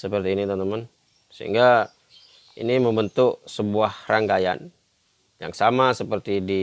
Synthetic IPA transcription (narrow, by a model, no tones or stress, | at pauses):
səpərt̪iːnit̪mnt̪əmən | səɦḭŋɡa | ḭniməmbənt̪ʊʔsəbuahraŋɡaja̰n | ja̰ŋsamasəpərt̪idi